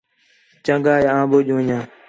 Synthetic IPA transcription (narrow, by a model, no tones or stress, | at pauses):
t͡ʃə̃ŋɡaːjãːɓoːʄõːɲãː